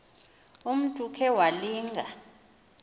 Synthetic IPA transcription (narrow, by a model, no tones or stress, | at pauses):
um̩tʼukʰɛwaliːŋʱa